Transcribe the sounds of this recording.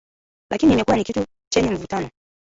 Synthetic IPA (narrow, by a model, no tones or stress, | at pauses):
lʔakinimɛkuanikitu | t͡ʃɛɲɛɱ̩vutanɔ